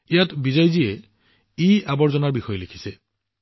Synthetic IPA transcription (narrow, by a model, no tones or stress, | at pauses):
ijatbizajzijɛ | ejabɔɹzɔnaɹbixɔjɔlekʰi̥sɛ